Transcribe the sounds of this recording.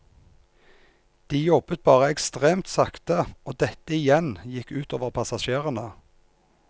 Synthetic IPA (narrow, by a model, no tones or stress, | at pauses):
d̪̥iːjɔbət̪̚bɑːʁəɛkst̪ʁeːmt̪sɑkt̪əoːd̪ɛt̪əɪjɛnjɪkːʉːt̪oːʋəʁpʰɑsɑʃeːʁənə